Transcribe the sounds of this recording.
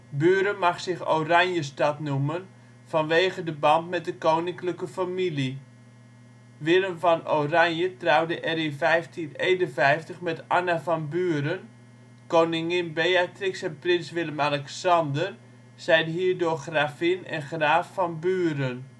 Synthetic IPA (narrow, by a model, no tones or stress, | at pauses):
byːɾənmaχsɪxo̰wranjəstɑtnumən | fɑnʋeːχədəbɑntmɛt̚dəkownɪŋkləkəfamili | ʋɪləmfɑnowranjətrawdəʔɛɾinfɛjftʰineːnənfɛjftəχmɛtanafɑnbyəɾən | kownɪŋɪnbeatrɪksɛnprɪnsʋɪləmalɛksɑndər | sɛjdəɦiːrdoːxraːfɪnɛ̰nχraːfːɑnbyːɾən